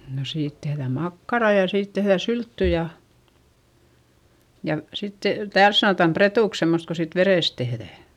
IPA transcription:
no siːt tehðæˑm mɑkːɑrɑˑ jɑ siːt tehðæ syltːy jɑ jɑ sitːe̥ tæːls sɑnoˑtɑm pretuˑks semːost ko siːt ʋereˑs tehðæˑ

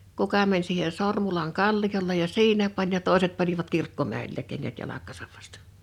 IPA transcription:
kukɑ mænʲ siːhe sormulɑn kɑlːijolːej jɑ siːnæ pɑnʲ jɑ toˑeset pɑniʋɑt kirkːomæˑilːæĭk̆ keŋːæt jɑlɑkˑɑːsɑʋ ʋɑstɑ̥

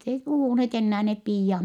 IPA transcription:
ei puhuˑnheːt enːæː nep piːjɑh

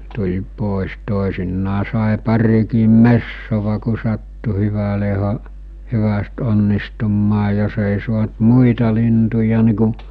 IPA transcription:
tulʲ poˑes toˑesinːɑː sɑˑe pɑrikiːm mesːoʋɑ ku sɑtːu hyʋæle hɑ hyʋæst onːistumːɑː jos eˑi suɑnt muitɑ lintujɑ ni ku

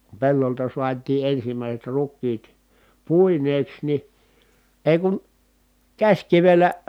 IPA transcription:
ku pelːoltɑ suɑtiː ʔensimæˑiset rukˑiːt puˑineːks ni eˑi̯ kun kæsʲkiʋelːæ

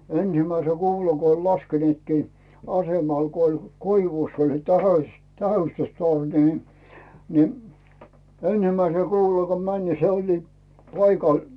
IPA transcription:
ensimæise kuːlɑ ko olʲ lɑskenĭetkiː ɑsemɑl ko olʲ koiʋuˑsː olʲ se tɑsɑĭs tæhystystorni ni ni ensimæisel kuːlɑl ko mæn ni se olʲli pɑikɑˑl

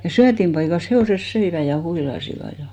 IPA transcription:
jɑ syætimpɑikɑs heoˑses søiʋæ jɑ huilɑsiʋɑ jɑ

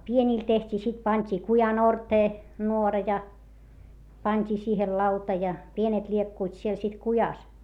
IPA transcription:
pienʲiˑl tehtʲiː sit pɑntʲi kujɑn orteː nuorɑ jɑ pɑnʲtʲiː siːhel lɑutɑ jɑ pienet lʲiekːuit siel sit kujɑs

